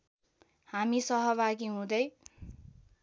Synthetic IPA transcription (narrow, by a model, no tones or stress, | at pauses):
hamisʌɦʌβaɡiɦũd̪ʌj